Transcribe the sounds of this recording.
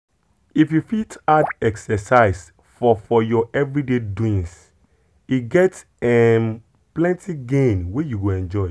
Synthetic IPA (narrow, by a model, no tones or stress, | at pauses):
ifjufitadɛksɛsaɪs | fɔfɔjɔʔɛvɹideduĩns | iɡɛt | ɛm | plɛ̃ntʰiɡẽnwejuɡoɛ̃nd͡ʒɔɪ